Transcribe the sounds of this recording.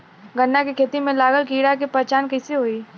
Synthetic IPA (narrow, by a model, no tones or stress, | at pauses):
ɡənːakikʰeːt̪imẽlaːɡəlkiːɽakepəɾt͡ʃaːnkɐseɦoːiː